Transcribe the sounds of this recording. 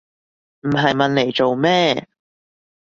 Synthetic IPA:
m̩˨˩ɦɐ˨jmɐ˨nle˨˩jt͡so˨wmɛː˥˩

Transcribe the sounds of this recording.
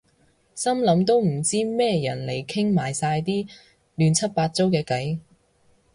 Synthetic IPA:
sɐ˥mlɐ˨˧˥mt̪o˥wm̩˨˩t͡siː˥mɛː˥jɐ˨˩nle˨˩jkʰɪ˥ŋmaː˨jsaː˧jt̪iː˥ | lyː˨˧nt͡sʰɐ˥t̚paː˧t̚t͡so˥wkɛː˧kɐ˨˥j

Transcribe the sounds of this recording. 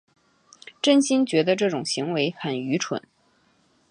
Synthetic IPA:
ʈ͡ʂə˥˧nɕi˥nt͡ɕɥɛ˧˥d̪ə˧ʈ͡ʂɤ˥˩ʈ͡ʂʊ˨˩ŋɕi˧˥ŋwe˧˥ɪxə˨˩ny˧˥ʈ͡ʂʰwə̰˨˩˦n

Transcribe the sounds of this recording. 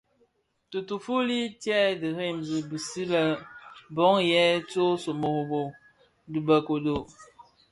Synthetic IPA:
tu˨tu˨fu˦li˦tjɛ˦˨dɨ˨ɾe˦˨mbi˨bi˨si˦lə˦bɔ˨˦ŋjɛ˦t͡so˦so˨mo˨ho˨bo˨ | dɨ˨bə˨ko˨do˨

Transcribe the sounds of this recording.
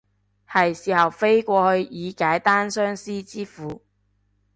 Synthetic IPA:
hɐ˨jsiː˨˩hɐ˨wfe˥jkʷɔː˧hɵ˧ɥjiː˨˧kaː˨˥jt̪aː˥nsœː˥ŋsiː˥t͡siː˥fuː˨˧

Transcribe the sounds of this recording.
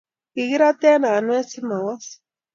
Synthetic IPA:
i˨ɣi˦ɾa˦t̪e˦na˨nwe˦si˦ma˨wa˦s

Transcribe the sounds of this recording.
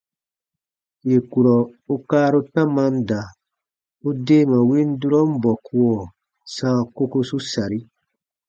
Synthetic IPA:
je˨ku˨ɾɔ˨u˦kaː˦ɾu˦tã˦mã˦n˦da˨ | u˦de˦mã˨wĩ˦n˦du˦ɾɔ˦m̩˦bɔ˨ku˦ɔ˨ | sãː˦ko˦ku˧su˦sa˨ɾi˦

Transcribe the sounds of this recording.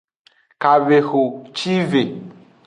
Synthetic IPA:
ka˨ve˨xo˨t͡ʃi˦ve˨

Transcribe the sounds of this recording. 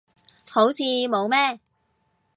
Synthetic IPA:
ho˨˥wt͡sʰiː˨˧mo˨˧wmɛː˥

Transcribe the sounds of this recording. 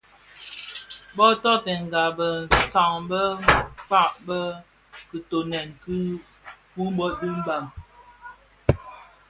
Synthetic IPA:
bɔ˦tɔ˦tɛ˨ŋ̩˨ɡa˨bə˨sa˨ŋbə˦k͡pa˦˨ʔbə˦ | kɨ˨to˨nɛ˨ŋ˨ki˦ | fu˦m̩˦bɔ˦di˦m˦ba˨ŋ

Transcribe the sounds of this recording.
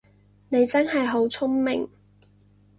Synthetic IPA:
ne˨˧jt͡sɐ˥nɦɐ˨jɦo˨˥wt͡sʰʊ˥ŋmɪ˨ŋ

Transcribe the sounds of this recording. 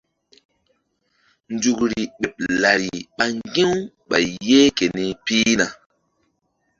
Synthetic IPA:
ndu˨kɾi˨ɓe˨p̚la˨ɾi˨ɓa˨ŋɡe˦w | ɓa̰˨je˦ke˨ne˦pi˦na˨

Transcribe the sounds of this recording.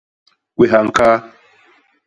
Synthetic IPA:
kʷe˨ɦa˨ŋ̩˨ka˦

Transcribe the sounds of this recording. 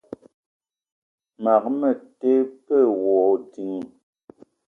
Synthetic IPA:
ma˨k̚mə˨te˦pə˦˨wɔː˨ti˨ŋi˨

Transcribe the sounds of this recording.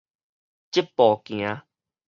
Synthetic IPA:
t͡ɕi˦˥pːɔ˨˩kĩ˧ã˧

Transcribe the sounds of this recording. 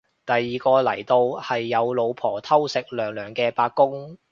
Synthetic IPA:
t̪ɐ˨jːiː˨kɔː˧lɐ˨˩jt̪o˧whɐ˨jːɐ˨˧wlo˨˧wpʰɔː˨˩t̪ʰɐ˥wsɪ˨k̚lœː˨˩ŋlœː˨˩ŋkɛː˧paː˧kːʊ˥ŋ

